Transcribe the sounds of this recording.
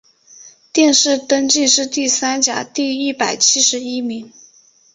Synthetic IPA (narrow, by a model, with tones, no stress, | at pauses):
t̪jɛ˥˧nʂɻ̩˥˩t̪ə˥ŋt͡ɕi˥˧nʂɻ̩˥˧t̪i˥˩sa˥nt͡ɕja̰˨˩˦t̪i˥˧i˥˩pa˨˩ɪt͡ɕʰi˥ʂɻ̩˧˥i˥mi˧˥ŋ